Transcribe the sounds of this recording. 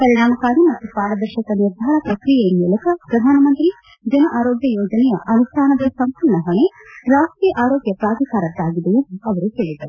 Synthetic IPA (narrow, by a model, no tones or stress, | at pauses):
pɐɾiɳaːmɐkaːɾimɐt̪ːupaːɾɐd̪ɐɾʃɐkɐniɾd̪ʱaːɳɐpɾɐkɾijejimːulɐkʰɐpɾɐd̪ʱaːnɐmɐnt̪ɾi | d͡ʒɐnɐʔaːɾoːɡjɐjoːd͡ʒɐnɛjɐʔɐnust̪ʰaːnɐd̪ɐsɐmpuɭɳɐɦɐɳeɾaːsʈɾijɐʔaːɾoːɡjɐpɾaːd̪ikaːɾɐt̪ːaːɡid̪ejend̪uɐʋɐɾuɦeːɭid̪ɐɾu